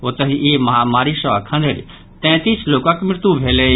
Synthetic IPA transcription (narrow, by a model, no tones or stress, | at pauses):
ot̪əɦiʔemɐɦaːmaːɾiʃəkʰɐ̃nd̪ʱeɾ | t̪ɛ̃ːt̪iːsloːkakmɪɾt̪ubʱeːle